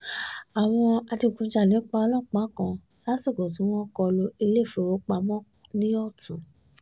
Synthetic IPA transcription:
a˨w̃ɔ̃˧a˧di˧˨ɡũ˧˦d͡ʒa˦˨lĩ˨˦k͡pa˧ɔ˧lɔ̃˦˨k͡pã˨˦˨kã˧ | la˦si˦˨ɡɔ̃˨t̬ĩ˨˦w̃ɔ̃˦kɔ˧lo˧˦i˧le˦˨fe˨ɾo˨˦k͡pa˧mɔ̃˦ | nĩ˦ɔ˦˨tũ˨˦

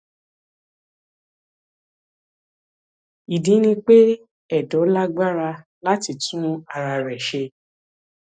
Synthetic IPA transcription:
i˨dĩ˨˦nĩ˧k͡pe˦ | ɛ˦˨dɔ˨˦la˦ɡ͡ba˦ɾa˧ | la˦ti˧˨tũ˦a˧ɾa˧ɾɛ˨ʃe˧

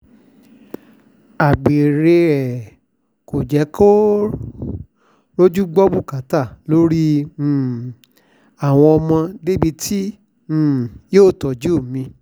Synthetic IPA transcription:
a˨ɡ͡be˨ɾe˧ɛ˨ | ko˨d͡ʒɛ˨˦ko˦ | ɾo˦d͡ʒu˦ɡ͡bɔ˦bu˦˨ka˨˦ta˦˨lo˦ɾĩ˦˨ | a˦˨w̃ɔ̃˧ɔ˧mɔ̃˧de˦bi˧tʰĩ˦˨ | joː˦˨tɔ˨d͡ʒu˦o˦˨mĩ˧

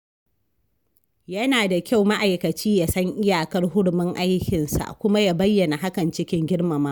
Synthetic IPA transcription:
jɐ˦naː˨da˨kʲa˦˨wma˦ʔa˨jkɐ˨t͡ʃiː˦ja˦˨sɐ˦ŋʔɪ˦jaː˨kɐ˦rɦʊ˦ɽʊ˨mɪ˦ŋʔa˦jkʲɪ˨nsa̰˨kʷʊ˦ma˦jaː˦bɐ˦jːɐ˨na˨ɦa˦kɐ˨nt͡ʃɪ˦kʲɪ˦ŋɡʲɪ˦ɽmɐ˨maː˦

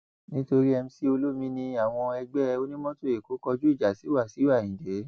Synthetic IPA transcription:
nĩ˦to˧ɾi˦ɛ˧m̩˦si˦o˧lo˦mĩ˦nĩ˧a˦˨w̃ɔ̃˧ɛ˧ɡ͡bɛ˦˧o˦nĩ˦mɔ̃˦to˦e˨ko˨˦kɔ˧d͡ʒu˦i˦˨d͡ʒa˨si˨˦wa˦˨si˨˦wa˦˨ĩ˨de˨˦

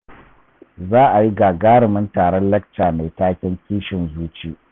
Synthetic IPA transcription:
zaː˦ʔa˨ji˦ɡaː˨ɡaː˦ɽɪ˨mɪ˦ntaː˨ɽɔ˦nlɐ˦k̚t͡ʃaː˨ma˨jtaː˦kʲɛ˦ŋkʲiː˦ʃɪ˨nzuː˦t͡ʃiː˦ʔ

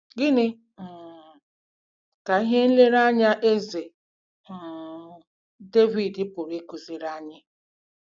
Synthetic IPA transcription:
ɡɪ˦nɪ˦˨ | ka˨i˦ɦe˦n̩˦le˦ɾa˦ɲa˦ʔe˦ze˨ | de˦vi˨dɪ˦pʊ˨ɾe˦ku˨zi˨ɾa˦ɲɪ˦

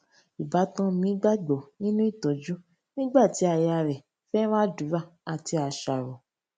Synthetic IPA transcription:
i˨ba˨˦tã˦mĩ˨˦ɡ͡ba˦ɡ͡bo˨nĩ˦nũ˦i˦˨to˨˦d͡ʒu˦ | nĩ˦ɡ͡ba˦˨ti˨˦a˧˨ja˧ɾɛ˨ | fɛ˦ɾ̃ã˦˨du˨˦ɾa˦˨a˨ti˧a˧ʃa˨ɾo˨

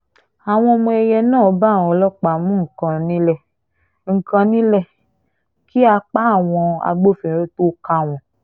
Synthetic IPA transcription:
a˨w̃ɔ̃˧mũ˧ɛ˧jɛ˧nãː˦˨˦ba˦˨w̃ɔ̃˨˧˦lɔ˦k͡pa˨mũ˦ŋ̩˨kã˧nĩ˦lɛ˦˨ | ŋ̩˨kã˧nĩ˦lɛ˦˨ | ki˦a˧k͡pa˦˨w̃ɔ̃˧a̰˧ɡ͡bo˦fẽ˨ɾe˦to˦ka˧˨w̃ɔ̃˨

